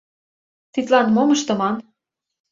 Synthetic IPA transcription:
t̪it̪lɑnmomɤ̆ʃt̪ɤ̆mɑn

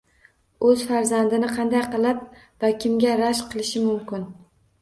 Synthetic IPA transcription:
ɵz̥faɾzand̪ɪnɪqʰɑnd̪ajqɨlˠap̚ | vakʲʰɪmɡʲaɾaʃqʰɨlˠɪʃɪmʊmkʲɪn

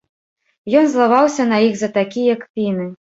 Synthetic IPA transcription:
jɔnzlˠavawsʲɐnɐjiɣzɐt̪akʲijɐkpʲinɨ

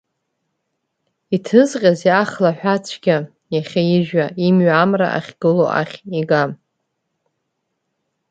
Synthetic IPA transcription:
itʰɨzqʲʼazjaχlaħʷᶣat͡sʷʰɡʲa | jaχʲajiʒᶣaimɥamra̰ʔa̰χʲɡ̥ɨlo̰ʔa̰χʲiɡa

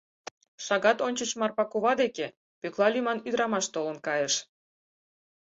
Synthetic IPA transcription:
ʃɑɣɑt̪onʲt͡ɕət͡ɕmɑrpɑkuβɑd̪eke | pøklɑlʲymɑnyd̪əɾɑmɑʃt̪olənkɑjeʃ

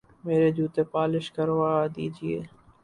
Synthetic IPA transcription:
meːɾed͡ʒuːt̪eːpaːlɪʃkəɾʋaːd̪iːd͡ʒɪḛː

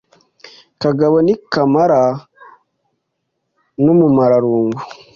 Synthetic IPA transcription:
kaɡaβonikamaɾa | numumaɾaɾuːŋɡu

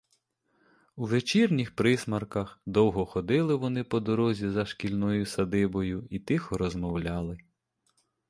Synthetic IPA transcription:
uʋet͡ʃirnʲixpɾɪsmɐrkɐxd̪ɔwɦɔxɔd̪ɪlˠɪʋɔnɪpɔd̪ɔɾɔzʲizɐʃkʲilʲnɔjʊsɐd̪ɪbɔjʊit̪ɪxɔɾɔzmɔwlʲɑlˠɪ

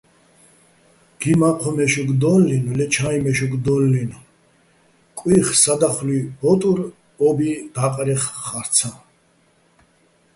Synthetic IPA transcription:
ɡ̥imaqʰɔmɛʃuɡd̪ɔlːinlɛt͡ʃʰajmɛʃuɡd̪ɔlːin | kʼwiχsad̪aχlibɔt̪ʼuɾ | ɔbid̪aqʼɾiχːaɾt̪t͡sʰa

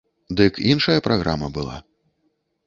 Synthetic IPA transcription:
d̪ɨkinʂɐjɐpɾaɣɾamɐbɨlˠa̰

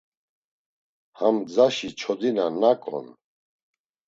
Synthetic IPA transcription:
hamd͡zaʃit͡ʃʰɔd̪inanakʼɔ̰n

